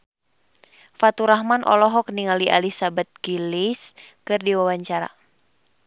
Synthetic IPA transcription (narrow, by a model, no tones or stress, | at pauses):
fat̪uɾaɦmanʔɔ̰lɔɦɔk̚niŋaliʔa̰lisabat̪̚ɡilis | kɨrdiwawaɲt͡ʃaɾa̰